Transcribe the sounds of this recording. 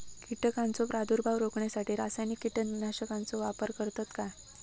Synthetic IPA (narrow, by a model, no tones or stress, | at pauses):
kiʈəkant͡sopɾad̪uɾbʱaʋɾokɳjasaʈʰiːɾasajnikːiʈənʋinaɕəkãnt͡soʋapəɾkəɾt̪at̪ka